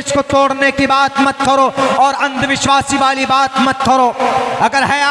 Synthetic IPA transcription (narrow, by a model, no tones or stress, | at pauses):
ʃkot̪oːɽnekibaːt̪mɐt̪̚kɐɾoɔːɾɐ̃nd̪ʱʋɪʃwaːsiʋaːlibaːt̪mɐt̪̚kɐɾoːɐɡəɾɦɛ